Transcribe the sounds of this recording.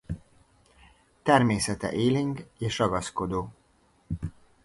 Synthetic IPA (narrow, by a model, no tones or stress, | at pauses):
t̪ɛrmeːsɛt̪ɛ̰ʔeːliŋɡeːʃrɒɡɒsko̞d̪oː